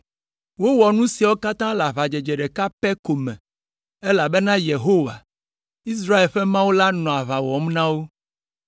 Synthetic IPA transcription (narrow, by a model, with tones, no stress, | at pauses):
wo˦wɔ˨nũ˦si˨wo˦ka˦t̪ã˦la˨βa˨d͡ʒɛ˨d͡ʒɛ˨ɖɛ˨ka˦pɛ˦ko˨mɛ̰̃˨ | ɛ˦la˨bɛ˦nã˦je˨ɦo˦wa̰˨ | i˦s̬ɾa˦e˨lɸɛ˦mã˦wo˦la˦nɔ̃˨a˨βa˨wɔ˨mnã˦wo˦